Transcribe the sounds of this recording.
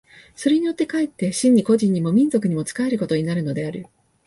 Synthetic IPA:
so̞ɾe̞ɲ̟ijo̞t̪ːe̞kaet̪ːe̞ɕĩɲ̟ːiko̞ʑĩɲ̟ːimo̞mʲĩnzo̞kɯ̟ɲ̟imo̞t͡sɨ̥kae̞ɾɯ̟ko̞t̪o̞ɲ̟inaɾɯ̟no̞d̪e̞aɾɯ̟

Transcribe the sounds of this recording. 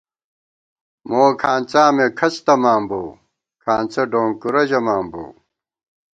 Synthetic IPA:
moːkʰaːnt͡saːmekʰɐst̪ɐmaːmboː | kʰaːnt͡sɐɖoːŋkuɾɐʑɐmaːmbo̰ː

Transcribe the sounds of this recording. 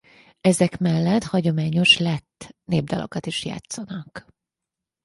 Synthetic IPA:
ɛzɛkmɛlːɛt̪hɒɟo̞maːɲo̞ʃlɛt̪ːneːb̚d̪ɒlʔo̞̰kɒt̪iʃja̰ːt̪sɒnɒk

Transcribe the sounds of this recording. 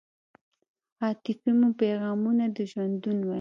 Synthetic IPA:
ɑt̪ɪfimopaɣɑmunad̪əʒwand̪unwa

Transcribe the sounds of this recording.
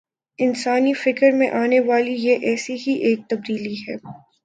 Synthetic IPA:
ɪnsaːnifɪkəɾmẽʔaːneʋaːlijeʔɛːsiɦiʔeːk̚t̪ɐb̚d̪iːliɦɛː

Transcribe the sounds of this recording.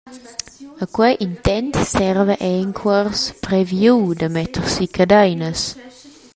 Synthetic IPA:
akwɛʔint̪ɛnt̪sɛrvəʔeŋkʰwərspɾevjud̪əmɛt̪əɾsikʰad̪ajnəs

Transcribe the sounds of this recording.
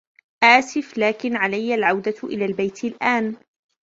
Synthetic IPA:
ʔaːsɪflaːkɪnʕalajːalʕawd̪aʔɪ̰laːlbajt̪ɪlʔaːn

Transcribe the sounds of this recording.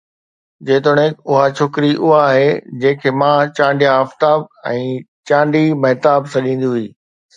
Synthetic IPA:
d͡ʑeːt̪oɽ̤̃ẽːkʊɦat͡ɕʰoːkɾiʔʊɦaːɦeːd͡ʑẽːkʰeːmãːt͡ɕãːɳɖijãɐft̪aːb̚ɛ̃ː | t͡ɕãːɳɖimɐɦt̪aːbsɐɗĩːnd̪iɦʊiː

